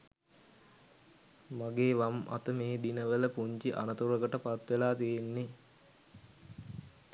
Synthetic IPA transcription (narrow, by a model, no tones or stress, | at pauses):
maɡeːʋamʔa̰t̪əmeːd̪inəʋələpuɲt͡ʃiʔa̰nət̪uɾəɡəʈəpat̪ʋelaːt̪ijenːe